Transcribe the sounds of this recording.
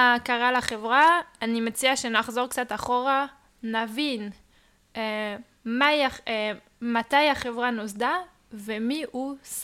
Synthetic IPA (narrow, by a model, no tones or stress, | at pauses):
akaʁalaχevʁaːnimet͡siaʃenaχzo̞ʁkt͡sataχo̞ʁa | navin | e | majae | mat̪ajaχevʁanosda | vemiʔus